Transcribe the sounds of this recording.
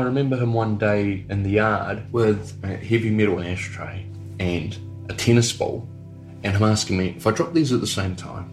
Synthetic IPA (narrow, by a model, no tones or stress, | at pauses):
ɪɹɨmɛ̃mbə˞ɨ̃mwʌ̃ndeɪɨ̃nðɨjɑɹd̚wɪð | ɨhɛvimɛɾl̩ˠæʃtʰɹ̥eɪ | ɨ̃n | ɨtʰɛñɨsb̥ɔ̰lˠ | ɨ̃nɨ̃mæskɪ̃ŋmiʔɨfaɪdɹɔp̚ðizət̪̚ðəsẽɪ̃mtʰã̰ɪ̃m